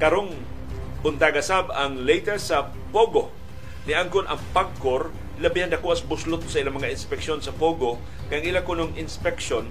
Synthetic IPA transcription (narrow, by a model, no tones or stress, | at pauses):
kɐɾoŋ | pʊnt̪aɡɐsabɐŋlejt̪ɛɹsɐ | poɡo | nɪʔaŋkʊnʔɐ̰ŋpaɡ̚kːoɾ | lɐbihand̪ɐkoʔɐsbʊslʊt̪̚ːsɐʔɪlamɐŋaʔɪnspɛkʃonsɐpoɡo | kajɐŋɪlakʊnoŋɪnspɛkʃon